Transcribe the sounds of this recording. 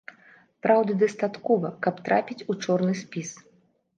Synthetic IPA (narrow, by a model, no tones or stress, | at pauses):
pɾawd̪ɨd̪ɐst̪at̪kɔvɐkɐpt̪ɾapʲit͡sʲut͡ʂɔrnɨsʲpʲis